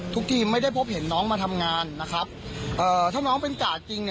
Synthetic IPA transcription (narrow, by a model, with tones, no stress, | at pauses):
t̪ʰu˦˥k̚t̪ʰiː˧˩ma˥˩jda˥˩jpʰo˦˥p̚he˩˦nːɔː˦˥ŋmaː˧t̪ʰa˧mŋaː˧nːa˦˥kʰɾa˦˥p̚ | ʔɤː˨˩t̪ʰaː˥˩ŋnɔː˦˥ŋpe˧nkaː˨˩t͡ɕi˧ŋ